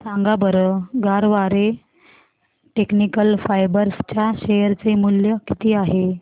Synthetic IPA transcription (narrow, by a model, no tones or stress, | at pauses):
sãŋɡabəɾəɡaɾʋaɾe | ʈeknikəlfajbəɾst͡ɕjaɕejəɾt͡semuljəkit̪iːaɦe